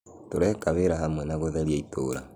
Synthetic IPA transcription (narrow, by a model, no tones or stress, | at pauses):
toɾɛkaβeɾaɦamwɛnaɣoðɛɾjaito̰ːɾa